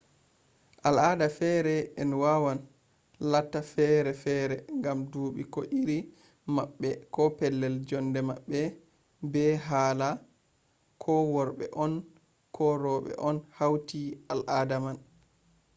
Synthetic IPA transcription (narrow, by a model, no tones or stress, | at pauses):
ʔaladafɛɾɛɛnwawan | latːafɛɾɛfɛɾɛŋɡamduːɓikɔʔiɾi | maɓːɛkɔpɛlːɛld͡ʒɔndɛmaɓːɛ | bɛɦaːla | kʰɔwɔɾɓɛ̰ʔɔn | kʰɔɾɔɓɛ̰ʔɔnhawtialʔaːdaman